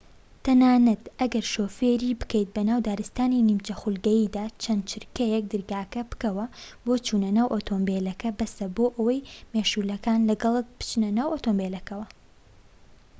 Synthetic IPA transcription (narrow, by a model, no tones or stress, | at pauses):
t̪ɐnaːnɐt̪ɐɡɐɾʃoːfeɾiːbɨ̥kejt̪̚bɐnaːwd̪aːɾɨst̪aːninimt͡ʃɐxulɡɐjiːd̪aːt͡ʃʰɐnd̪̚t͡ʃʰɪɾkɐjɛk̚d̪ɨɾɡaːkɐbɨ̥kɐwɐboːt͡ʃuːnɐnaːwʔoːt̪ʰoːmbelɐkɐbɐsɐboːʔɐwɐjmeʃuːlɐkaːnlɐɡɐlˠɨk̚bɨ̥t͡ʃnɐnaːwʔoːt̪ombelɐkɐwɐ